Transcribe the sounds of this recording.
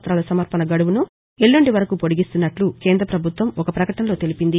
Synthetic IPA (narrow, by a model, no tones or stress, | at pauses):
t̪ɾaːlɐsɐmɐɾpɐnɐɡɐɽuʋunu | eɭːuɳɖiʋɐɾɐkupo̞ɽiɡist̪unːɐʈluke̞ːnd̪ɾɐpɾɐbʱut̪ʋɐmɔkɐpɾɐkɐʈɐnɐlo̞ːt̪e̞lipind̪i